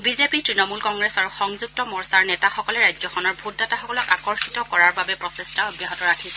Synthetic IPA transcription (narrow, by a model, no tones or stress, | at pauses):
bizepitɹinɔmulkɔŋɡɹesaɹuxɔŋzuk̚tɔmɔɹsaɹnɛtaxɔkɔlɛɹajzɔxʰɔnɔɹbʱudːataxɔkɔlɔkakɔɹxitɔkɔɹaɹbabɛpɹɔsestaɔbjaɦɔtɔɹakʰisɛ